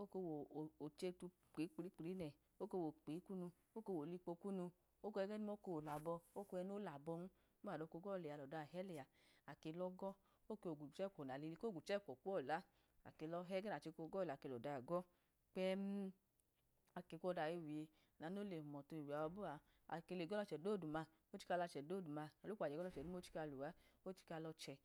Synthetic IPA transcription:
o˦ko˧wo˨o˨t͡ʃe˧tu˧ | k͡pe˨˦k͡pɾi˦k͡pɾi˨˦nɛ˨ | o˦ke˧wo˨k͡pe˨˦ku˦nu˧ | o˦ke˧˨wo˨li˧k͡po˧ku˦nu˧ | o˦kɛ˧˦ɡɛ˦ni˦mo˦ko˧o˨la˨bɔ˧o˦ko˧ɛ˧˦no˦la˨bɔ˧nu˦ | a˨do˧˨ko˧˦ɡɔ˦˨le˨a˨˧lɔ˨da˧˨ɦɛ˦lɛ˨a˨a˨ke˧lɔ˦ɡɔ˦ | o˦ke˧o˨ɡu˨t͡ʃɛ˦˨kʷo˨na˨li˧i˧ko˦ɡu˨t͡ʃɛ˦˨kʷɔ˨ku˦ɔ˦˨la˨˦ | a̰˨ke˧lɔ˧ɦɛ˦ɡɛ˦na˨t͡ʃe˧ko˧˦ɡɔ˦˨la˨ke˧˨lɔ˨da˨ɡɔ˦ | k͡pɛ˦m˦ | a˨ke˧˨kʷɔ˦˧˨da˧˨je˧wi˨e˧ | a˨na˨˦no˦le˨mɔ˨to˧i˨wi˨a˨wa˧˦bu˦a˨ | a̰˨ke˧le˨ɡɔ˦lɔ˧t͡ʃɛ˨do˦˨du˨ma˧ | o˦t͡ʃi̥˦˧ka˧la˧t͡ʃɛ˨do˦˨du˨ma˧a˨lu˦a˨ɛ˨ɡɔ˦lɔ˧˨t͡ʃɛ˨nu˦m˦o˦t͡ʃi̥˦ka˧lo˨a˨˦o˦t͡ʃi̥˦ka˧lɔ˧t͡ʃɛ˨

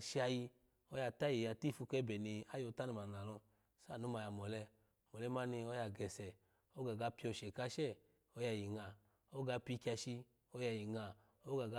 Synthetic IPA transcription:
ʃi˧a˧ji˧ | o˦ja˧ta˦ji˨ja˧ti˦˨fu˧kɛ˦bɛ˨ni˧a˦jo˧ta˦ni˧ma˨na˨lɔ˧ | sa˦˨nu˨˦ma˧ja˨mɔ˨lɛ˧˨ | mɔ˨lɛ˧˦ma˦ni˧ɔ˦ja˧ɡɛ˨sɛ˨ | o˦ɡa˨ɡa˨˧˦pi˧ɔ˧˨ʃɛ˨ka˧ʃɛ˦˨ | o˧˦ja˧˨ji˨ŋa˨ | o˦ɡa˧pi˧ki˧a˧ʃi˧ | o˧˦ja˧˨ji˨ŋa˨ | o˦ɡa˨ɡa˧˦

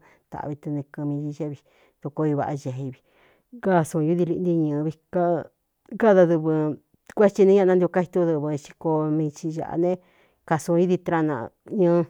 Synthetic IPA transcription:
t̪a̰˨ʔβi˧t̪u˧nĩ˧kɨ̃˧mĩ˧i˧ʒe˦βi˧ | t̪u˧ko˧i˧βa̰˧ʔʒe˨ɦe˧βi̥˧ | ɡa˦˨sũ˧ju˦ði˧li˧ʔnd̪i˧ɲɨ̃˧βi˧ka˦ | ɡa˦˧ða˧ðɨ˧βɨ˧ | kʷe˦t͡ʃi˧nĩ˧˦ã˦˧ã˧d̪o˧ka˧i˧t̪u˧ðu˧βɨ˧t͡ʃi̥˧ko˧mĩ˧t͡ʃi˧ʒa̰˧ʔa̰˧nẽ˦ | ka˧sũ˧i˦ði˧t̪ɾa˧nã̰˧ɲɨ̃˧˦˧

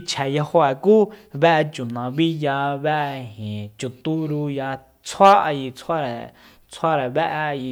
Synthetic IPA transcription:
t͡ʃʰɛ˨ja˧ho˧ɛ˨kuː˦βɛ˦ʔt͡ʃu˨nã˨˧βi˦ja˧βɛ˦ʔhĩ˨t͡ʃu˨t̪u˦ɾu˧ja˧ | t͡sʰwa˦ʔa˧ji˧t͡sʰa˦ɾɛ˨ | t͡sʰwa˦ɾɛ˨βɛ˦ʔji˧

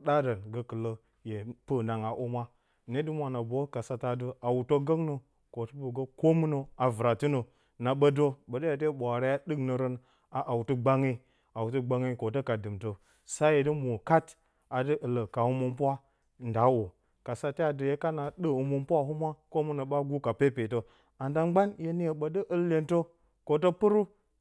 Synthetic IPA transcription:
ɗa˦də˨nɡə˦kɨ˨lə˦ | je˨pə˦na˨ŋa˨ʔu˦mʷa˦ | ne˦du˦mʷa˨na˨bo˦ka˨sa˨ta˨də˦a˨wu˨to˦ɡə˦ŋnə˨ | ko˨tə˦bə˨ɡə˦ko˦mu˦nə˨a˨vɨ˨ɾa˨ti˦nə˨ | na˨ɓə˦do˦ɓə˨də˦ja˨t̬e˦ɓʷa˨ɾa˦ja˦dɨ˦knə˨ɾə˦n | a˨ʔa˨wtə˦ɡ͡ba˦ŋi˦ | a˨wu˨tu˦ɡ͡ba˦ŋi˦ko˨to˦ka˨dɨ˨mto˨ | sa˦je˨di˦mu˨ka˦t | a˨dɨ˦ʔɨ˨lə˨ka˨hu˦mu˦mpʷa˦ | nda˨˦wo˨ | ka˨sa˨te˦ja˨də˨je˦ka˦na˨ɗɨ˦u˨mu˦mpu˦a˦hu˦mʷ˦a˦ko˦mu˦no˨ɓa˦ɡu˦ka˨pe˦pe˨to˦ | a˨nda˨ŋɡ͡ba˦nje˦ni˦je˨ɓə˨di˦ʔɨ˦lːe˨nto˦ | ko˨t̬o˦pɨ˦ɾu˦

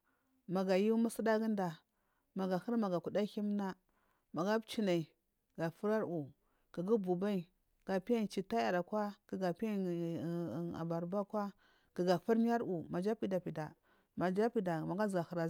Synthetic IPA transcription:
ma˨ɡa˨ju˦mu˦si˦da˦ɡi˦nda˨ | ma˨ɡa˨hə˦ɾma˨ɡa˨ku˨da˦hi˦m˦na˦ | ma˨ɡa˦bt͡ʃi˦na˨i˨ | ɡ̥a˨fu˦ɾa˦ɾu˨ | ɡ̥i˨ɡi˦bu˨ba˦i˨ | ɡ̥a˨pi˦ja˦˨t͡ʃi˨ta˦a˨ɾa˨kwa˦ki˨ɡa˨pi˦a˦˨ | a̰˨ba˨ɾba˦kwa˦ | ɡ̥i˨ɡa˨fu˦ɾɲ˦a˦ɾu˨ma˨d͡ʒa˦pi˦˨da˨pi˨da˨ | ma˨d͡ʒa˦pi˨da˨ma˨ɡa˦zɡa˨hə˨ɾa˨

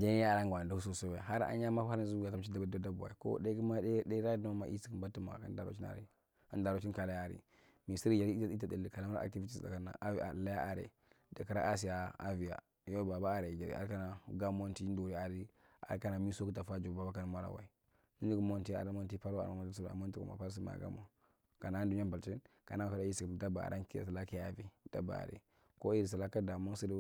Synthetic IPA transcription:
d͡ʒe˦a˦a˨ɾa˦ŋɡʷa˨da˦hu˦so˦˨so˦wa˨ɦa˦ɾa̰˦ɲ˦a˦ma˦a˦ɾzu˦ɡa˨a˦m˦t͡ʃi˦da˦ba˦da˦da˦bu˨a̰˨i˨ko̰˦de˦ki˦ma˦e˦de˦ɾa˦no˦ma̰˨ʔḭ˦si˦ki˨mba˦ti˦ma̰˨ka̰˦nda̰˨ɾo̰˦t͡ʃi˦na̰˨ɾḭ˦ | a˦nda˨ɾo˦t͡ʃi˦nka˨la˦ja˨ɾḭ˨ | mi˨si˦ɾi˨d͡ʒa˨ɾi˦i˦a˦i˦ta˨di˨lka˨la˦m˦a̰˨ti˦vi˦ti˨sda̰˨ka˦na̰˨˦˨a˨la˦a˦ʔa˨ɾḛ˨ | da˨ka˦ɾa̰˦ʔa˦s̬i˨ja˨a̰˦vi˨ja̰˨ | jo˦ba˨ba˦a˨ɾe˨d͡ʒa̰˨ɾḭ˨a̰˨ɾka˦na˨ɡa˦mo˦nti˦n˦do˨ɾi˨a˨ɾi˦ | a̰˨ɾka˦na˨mi˦so˦ki˦ta˨fa˦d͡ʒo˨ba˨ba˦ka˦na˨ma˦ɾa̰˨wa̰˨i˨ | ni˦ni˦ɡu˦mo˦nti˦a̰˨ɾa˨˦mo˦nt̬i˦pa˦ɾa̰˨a˨ma˦su˦˨a̰˨mo˦n˦ti˦kṵ˨ma̰˨pa˦ɾs̬i˦ma̰˨ɡa̰˦mo˨ | ka˨na˦ndu˦n˦a˦mba˨lt͡ʃi˦nka˨na˦˨ka˨ɾa˦i˦si˨kda˦ba˨a̰˨ɾʔa˦nki˦a̰˨sa˨la˦ki˦a˦vi˨d̥a˦ba̰˨a̰˨ɾḛ˨ | ko˦i˦ɾi˨sa˨la˦ka˦da˨mo˦si˦ɾ

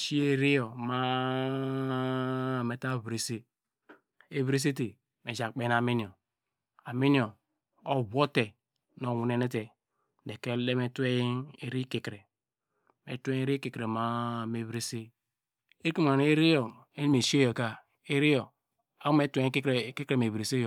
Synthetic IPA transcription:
ʃi˦e˦ɾi˦jo˨ma˦˨ | me˨ta˦˨bɾe˨se˦ | e˦βɾe˦s̬e˦te˨ | me˨d͡ʒa˨k͡pe˨˦na˨mi˦ni˨o˨ | a˨mi˦ni˦o˨ | o˦bo˦te˨ | no˨wu˨˦ne˦ne˦te˨ | de˨ke˦le˦me˦te˦e˦ɾi˦ke˨kɾe˨ | mḛ˨tʷe˦e˦ɾi˦ke˨kɾe˨ma˦me˨βɾe˦se˦ | e˦ki˦m˨a˨ne˦ɾi˦jo˨ | e˦ni˦me˨ʃe˦jo˨ka˦ | e˦ɾi˦jo˨ | a˦u˦me˦te˦ke˦kɾe˨˦ke˦kɾe˨me˨bɾe˨se˦jo˨

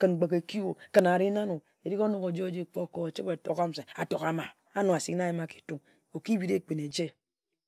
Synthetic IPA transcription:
kɨ˨n˨ɡ͡be˨ke˨ki˦o˨kɨ˨na˨ɾi˦na˦nu˨ | e˨ɾi˦ko˦nu˦ko˨d͡ʒe˦o˦d͡ʒe˦k͡po˦ko˨e˨t͡ʃi˦ke˨to˨ka˦m̩˨se˨a˨to˨ka˨ma˨ | a˦nu˨a˨si˦kna˦ji˦ma˦ki̥˨tu˦ŋ | o˨ki˦bi˦ɾe˦˨k͡pi˨ne˨d͡ʒe˦

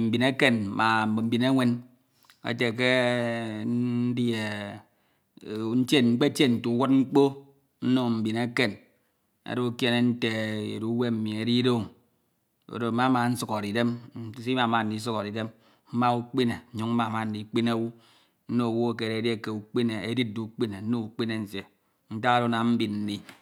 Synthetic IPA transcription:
m̩˨bi˨ne˦ke˦n˨ma˨m̩˨bm̩˦bi˨ne˦ŋʷe˦n | a̰˨te˨k̬e˦ | di˦e˨ | n̩˦te˦ŋ͡m̩˦k͡pe˦t͡ʃje˦n̩˨tu˨˦wu˦t̚ŋ͡m̩˦k͡po˦ | n̩˦no˦m̩˨bi˨ne˦ke˨n | a̰˨ɾo˦u˦kje˦ne˨n̩˦te˨ḛ˨ɾu˦we˦m̩˨mi˨e˨ɾi˦do˦˨ŋ | o̰˨do˨ma˦ma˨n̩˦su˨ko˨ɾi˨de˦m˦si˦ma˨˦ma˨n̩˨di˨˦s̬u˦ko˨ɾi˨de˦m | m̩˦ma˦u˦k͡pi˦ne˨ɲu˦ŋ̩˦ma˨ma˨n̩˨˦di˨˦k͡pi˦ne˦wu˦ | n̩˦no˦˨wu˦o˦˨ke˨ɾe˨di˦e˦ke˨u˨k͡pi˦ne˨e˦di˦t̚du˨˦k͡pi˦ne˨n̩˦no˦u˨k͡pi˦ne˨n̩˨sje˨ | n̩˦ta˦ɣa˦ɾo˦na˨m̩˦bi˨nn̩˨ni˨

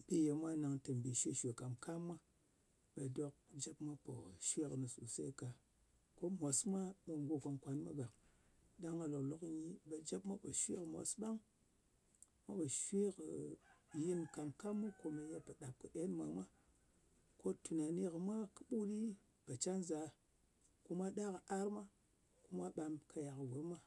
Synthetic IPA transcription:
bi˦je˨mʷa˦na˨ŋtɨ˨m˨bi˨ʃe˦ʃʷe˨ka˨mka˦mːa˦ | ɓa˨do˦k̚d͡ʒa˦pma˦po̰˨ʃwe˦knɨ˨su˨sa̰˦i˦ka˨ | ko˦mo˨sma˦ɓa˨ŋɡʷo˦ka˧nkʷa˨nma˦ɡa˨k | da˦ŋa˨lo˨klo˨kɲi˦ɓa˨d͡ʒa˦pma˦po˨ʃwḛ˦kɨ˨mo̰˨sɓa˦ŋ | ma˦pa˨ʃwi˦kji˦nka˨ŋka˦mːu˦ko˦me˨ja˦pa˨ɗa˨p̚kɨ˨ɗe˦nmʷa˨mʷa˦ | ko˦tu˨na˨ni˦kə˨mʷa˦kɨ̥˦ɓu˦ɗi˦ | pa˨t͡ʃa˦nza˨ | ku˦ma˦ɗa˦kə˨a˦ɾma˦ | ku˦ma˦ɓa˦mkʰa˨ja˨kvo˨ɾma˦

